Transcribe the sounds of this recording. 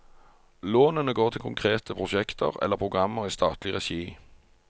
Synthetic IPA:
loːnənəɡoːʁt̪ʰɪlkʰʊŋkʰʁeːt̪ʰəpʰʁʊʃɛkt̪ʰə̰ʁɛ̰ləʁpʰʁʊɡʁɑmːəʁiːst̪ʰɑːt̪ʰlɪʁɛʃiː

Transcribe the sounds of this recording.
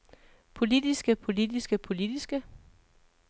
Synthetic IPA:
pʰo̝lid̥isɡ̥əpʰo̝lid̥isɡ̥əpʰo̝lid̥isɡ̥ə

